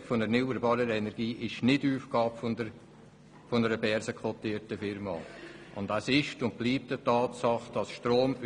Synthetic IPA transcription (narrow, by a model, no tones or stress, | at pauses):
fonəɾnɪwəɾbɑːɾəɾɛnɛɾɡiːʔɪʃnɪduːfɡ̥ɑːpf | fʊnəɾəbɛɾsəkʰʁotːiːɾtəfɪɾmɑ̰ːʔʊndæsɪʃtʊn̚b̥liːp̚tətɑːtsɑχd̥ɑsʃtɾoːm